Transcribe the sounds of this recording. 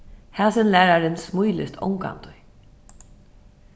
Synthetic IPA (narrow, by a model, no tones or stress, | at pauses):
hɛːsɪnlæːɾaɾɪnsmujlɪ̰st̪ʰɔ̰wŋka̰nt̪ʊj